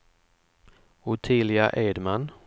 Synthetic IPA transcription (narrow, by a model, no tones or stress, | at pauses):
ʊt̪ʰɪlɪaʔeːd̪man